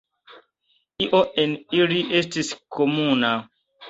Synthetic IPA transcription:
iʔoʔeniliʔestiskʰomuna

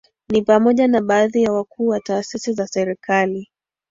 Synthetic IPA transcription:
nipamɔʄanaɓaːðijawakuːwataːsisizasɛɾikali

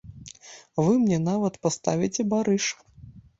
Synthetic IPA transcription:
vɨmnʲɛn̪avɐt̪past̪a̰vʲit͡sʲɛbaɾɨʂ

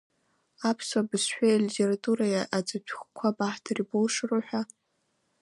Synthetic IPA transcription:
apʰswabɨsħʷᶣaalitʰeɾatʼuɾajaʔad͡zʼapʷʰχʷkʷʰabaħtʰaribolʂroħʷᶣa

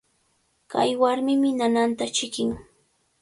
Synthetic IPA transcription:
ka̰jwaɾmɪmɪnanant̪at͡ʃɪkɪŋ

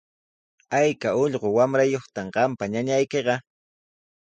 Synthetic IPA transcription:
ajkaoʎɢowamɾajoχt̪amɢɑmpaɲaɲajkeɢɑ

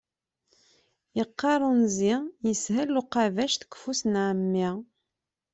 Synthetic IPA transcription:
jəqːɑɾˤənzijəshælːuqɑvæʃt̪ə̥kːfusnʕəmːi

